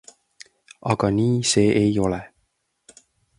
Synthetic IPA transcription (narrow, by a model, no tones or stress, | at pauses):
ɑɡɑniːse̞ːʔejo̞le